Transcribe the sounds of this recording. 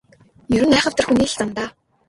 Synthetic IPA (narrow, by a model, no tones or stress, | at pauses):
jɵɾɘ̆næːχə̆w̥t̪ə̆rxuniːɬt͡sant̪aː